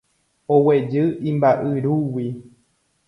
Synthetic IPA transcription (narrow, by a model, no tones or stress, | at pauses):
owed͡ʒɨʔĩmbaʔɨɾuwi